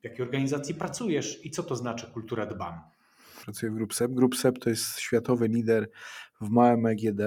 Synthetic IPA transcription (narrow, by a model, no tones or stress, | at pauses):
vʲjakʲejɔɾɡaɲizat̪sʲjipɾat̪sujɛʂit̪sɔt̪ɔznat͡ʂɘkult̪uɾad̪ba̰m | pɾat̪sujɛvɡɾupsɛbɡɾupsɛpt̪ʰɔjɛst̪ɕfʲjat̪ɔvɘlʲid̪ɛɾvmawɛmɛɡʲjɛd̪ɛ